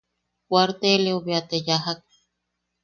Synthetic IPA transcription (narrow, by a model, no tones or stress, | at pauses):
kʷaɾt̪eleoβiat̪ejaɦak̚